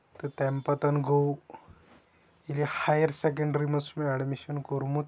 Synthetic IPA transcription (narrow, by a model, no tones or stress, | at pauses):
t̪ət̪ɛmpɐt̪ɐnɡʱow | ilihajəɾsek̬əɳɖɾimɐsmeɐɽmiɕɐnkoɾmut̪